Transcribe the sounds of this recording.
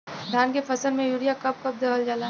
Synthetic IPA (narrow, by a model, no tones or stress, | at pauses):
d̪ʱaːnkefɐsəlmẽjuːɽijakɐp̚kɐp̚d̪ɐəld͡ʒalaː